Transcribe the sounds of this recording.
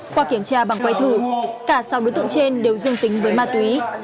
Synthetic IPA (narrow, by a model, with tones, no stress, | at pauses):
kwaː˧ki˧˩əmt͡ɕaː˧ɓa˨˩ŋkwa˧jt̪ʰɨ˧˩kaː˧˩sa˨˦wɗo˨˦t̪ɨ̰˧˨ə˨ŋt͡ɕe˧nɗe˨˩wzɨ˧əŋt̪ï˨˦ŋ̟vəː˨˦jmaː˧˩t̪wi˨˦